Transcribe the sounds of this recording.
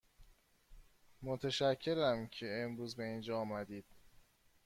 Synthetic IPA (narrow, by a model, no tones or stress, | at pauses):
mot̪ʰeʃæcʰːe̞ɾæmcʰe̞emɾuːzbe̞iːnd͡ʒɒːmæd̪iːd̪̥